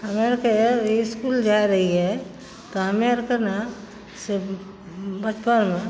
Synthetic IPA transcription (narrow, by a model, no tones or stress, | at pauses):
əmeɾkeɾeskuːld͡ʒaiɾɐɦiɦɛ | t̪oɦəmeɾkəɾna | se | bət͡ʃpənmẽ